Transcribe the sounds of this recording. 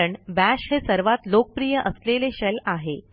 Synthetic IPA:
əɳbæɕhesəɾʋat̪lok̚pɾijəʔəsleleɕɛlaɦe

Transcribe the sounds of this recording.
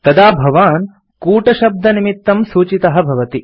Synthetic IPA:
t̪ɐd̪aːbʱɐʋaːn | kuːʈɐʃɐb̚d̪ʱɐnimit̪ːɐmsuːt͡ʃit̪ɐɦɐ̆bʱɐʋɐt̪i

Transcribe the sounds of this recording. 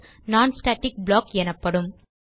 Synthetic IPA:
naːnsʈaːʈːɪk̚bɭoːkɛnɐpːɐɽɯm

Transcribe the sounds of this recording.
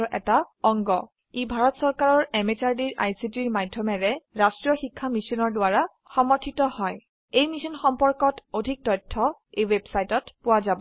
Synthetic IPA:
ɹʔɛ̰taɔŋɡɔ | ibʱaɹɔtsɔɹkaɹɔɹɛmet͡ʃaɹdiɹʔa̰jsitiɹmadʱjɔmɛɹɛɹastɹijɔxikʰːamisɔnɔɹdʊwaɹa | xɔmɔɹtʰitɔhɔj | ejmisɔnxɔmpɔɹkɔtodʱik̚tɔjtʰːɔejwebsajtɔtpʊwazabɔ

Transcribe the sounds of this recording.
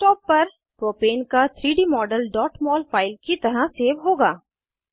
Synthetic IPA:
sʈɔːpːɐɾ | pɾoːpeːnkat̪ʰɾiːɖiːmɔːɖəlɖɔːʈmɔːlfʰaːɪlkit̪ɐɾaseːʋɦoːɡaː

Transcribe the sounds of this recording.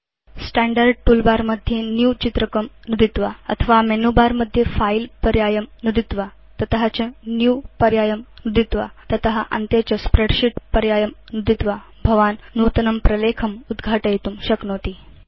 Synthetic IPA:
sʈæɳɖəɾɖ̚ʈulbaɾməd̪ʱːjenjut͡ɕit̪ɾəkəmnud̪it̪ʋaə̰t̪ʰəʋamenubaɾməd̪ʱːjefailpəɾjajəmnud̪it̪ʋa | t̪ət̪əɦat͡ɕənjupəɾjajəmnud̪it̪ʋa̰t̪ət̪əɦaʔə̰nt̪jet͡ɕəspɾeɽɕiʈpəɾjajəmnud̪it̪ʋa | bʱəʋannut̪ənəmpɾəlekʰəmud̪ɡʱaʈəjet̪uːmɕəknot̪iː

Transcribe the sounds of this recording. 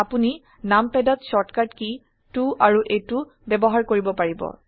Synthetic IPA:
apuni | nampɛdɔtsɔtkatki | tuʔaɹuʔejtu | bɛbɔɦaɹkoɹibɔpaɹibɔ̰

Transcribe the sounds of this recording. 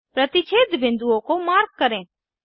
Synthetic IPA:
pɾɐt̪it͡ʃʰeːd̪bʱɪ̃nd̪uõkomaːɾkkːɐɾẽ

